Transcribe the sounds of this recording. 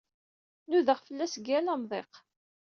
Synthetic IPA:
nuðəʁfəlːæsɡælæmðˤeq

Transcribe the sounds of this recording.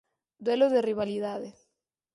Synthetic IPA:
d̪weloðeriβaliðaðe

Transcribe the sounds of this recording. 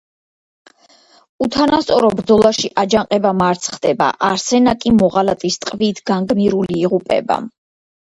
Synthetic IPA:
ut̪ʰanast̪sʼɔɾɔbɾd̪zɔlˠaʃiʔad͡ʒaŋqʼɛbamaɾt̪sʰχd̪ɛba̰ʔaɾsɛnakʼimɔʁalat̪ʼist̪ʼqʼviːt̪ʰɡ̥aŋɡmiɾuliːʁupʼɛ̰ba̰

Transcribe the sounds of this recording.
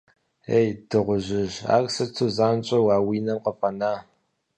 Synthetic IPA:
eːjdʰɨʁʷʊʑɪʑa̰ːkʼsɐtʰuzaːnt͡ʃʼɐwaːwiːnɐmqəfɐnaː

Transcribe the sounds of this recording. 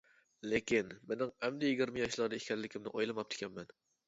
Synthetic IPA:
lekʲinmɪnɪŋhɛmd̪ɛjɪɡʲiɾmɪjɑʃlˠɑɾd̪ɨikʲʰɛɾlːɪkʲʰɪmnɪʔojlˠɨmɑp̚t̪ʰɪ̥kʲʰɛnmɛn

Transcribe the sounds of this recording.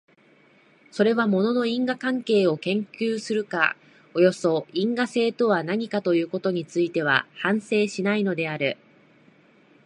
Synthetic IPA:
so̞ɾe̞βamo̞no̞no̞ĩŋɡakãŋke̞ːo̞kẽ̞ŋkʲɨːsɨɾɯ̟ka̰ | o̞jo̞so̞ĩŋɡase̞ːt̪o̞βanaɲ̟ikat̪o̞jɯ̟ːko̞t̪o̞ɲ̟it͡sɨit̪e̞β̞a̰hãɰ̃se̞ːɕinaino̞d̪e̞aɾɯ̟

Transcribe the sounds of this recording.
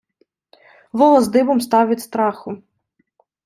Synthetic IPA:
ʋɔlˠɔzd̪ɪbɔmst̪ɑʋʲit̪ʲst̪ɾɑxʊ

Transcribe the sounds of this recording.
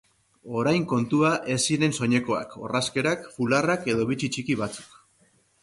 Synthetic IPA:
o̞ɾajŋko̞nt̪uaʔe̞siɾe̞nso̞ɲe̞ko̞a̰ko̞̰raske̞ɾakfularake̞ðo̞βit͡ʃit͡ʃikiβat͡su̥k

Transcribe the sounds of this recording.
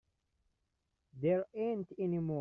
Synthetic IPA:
ðɛɹẽntɛnimɔ

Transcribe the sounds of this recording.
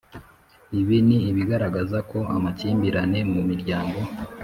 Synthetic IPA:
iβiniːβiɡaɾaɡazako̞a̰maciːmbiɾane̞mumiɾɟaːŋɡo̞

